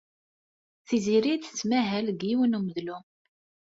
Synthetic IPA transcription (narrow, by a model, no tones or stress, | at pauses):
θiziɾiθə̥t͡sːmæɦælɡiwənuməðlu